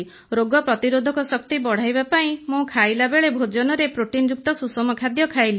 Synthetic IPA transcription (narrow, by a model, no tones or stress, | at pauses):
ɾoɡɔpɾɔt̪iɾod̪ʱɔkɔsɔkt̪ibɔɽ̤ajbapaĩmũkʰajlabeɭebʱod͡ʒɔnɔɾepɾoʈind͡ʒuk̚t̪ɔsusɔmɔkʰad̪jɔkʰajli